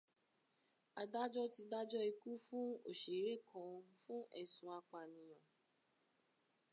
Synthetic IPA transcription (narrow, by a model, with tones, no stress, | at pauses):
a˨da˦d͡ʒɔ˦ti˧da˦d͡ʒɔ˦i˧ku˦fũ˦o˨ʃe˨˦ɾe˦˨kʰɔ̃˧fũ˦ʔɛ̰˦˨sũ˨˦a˧k͡pa˨nĩ˨j̃ã˨